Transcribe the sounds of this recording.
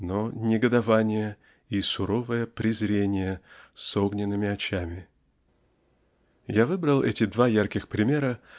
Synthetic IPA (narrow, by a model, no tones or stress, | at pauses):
nonʲɪɡəd̪ɐvanʲɪjə | isʊɾo̞vəjəpɾʲɪzɾʲenʲɪjəsoɡnʲɪnːɨmʲɪɐt͡ɕamʲɪ | javɨbɾəlˠʔɛtʲɪd̪vajarkʲɪxpɾʲɪmʲeɾə